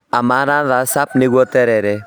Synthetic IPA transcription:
amanaɾasap̚neɡɔtɛɾɛɾɛ

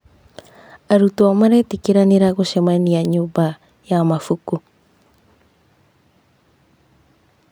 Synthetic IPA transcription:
aɾutuamaɾetikiɾaniɾaɡoʃemainiaɲuba | jamafuku

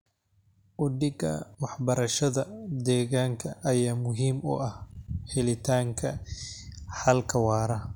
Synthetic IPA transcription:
ʔʊɖɪɡɐ̰wɑħbɐɾɐʃɐðɐd̪ɛːɣaːŋkʰɐʔɐjaːmʊɦiːmʊ̰ʔɐhhɛlɪt̪ʰaːŋkʰɐ | ħɐlkʰɐwɑːɾɐ

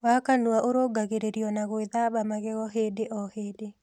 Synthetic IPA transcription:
wakanuaʔoɾoɡaɣeɾeɾjɔnaɣoeðabamaɣɛɣɔɦeːdeʔɔheːde

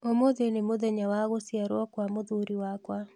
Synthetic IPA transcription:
omoðenemoðɛɲawaɣosiaɾwɔkwamoðuɾiwakwa

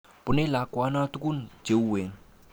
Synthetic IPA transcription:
punelakuanat̪ukun̥d͡ʒ̥ouwen

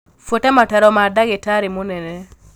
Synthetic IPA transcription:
fotɛmatɛɾɔmadaɡɪtaɾɪmonɛnɛ

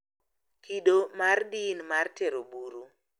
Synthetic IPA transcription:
kiɗomardinmarteɾobuɾu

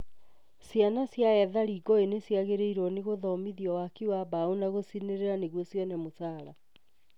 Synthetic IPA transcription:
sjanasjaɛðaɾiɡɔenesjaɣeɾeiɾɔneɣoðɔmiðiɔwakiwabaonaɣosineɾeɾaneɣwɔsjɔnɛmosaːɾa

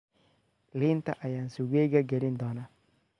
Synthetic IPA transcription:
lint̪a̰ʔajansuɡeɡaɡelind̪ɔna

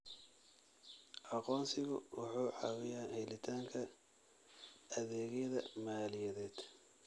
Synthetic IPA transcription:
ʔɑqɔːnsɪɣʊ̰wʊħuːʕɑwɪjaːhɛjlɪt̪ʰaːŋkʰɐ | ɐðɛːɣɛðɐ̰maːlɪjɐðɛːd̪̥

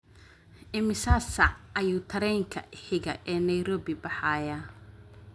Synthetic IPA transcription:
ʔɪmɪsaːsɐɐjuːt̪ʰɐɾɛjŋkʰɐ̰ʔɪħɪɣɐ̰ʔɛːnɐjɾɔːbɪbɑħɑːjaː

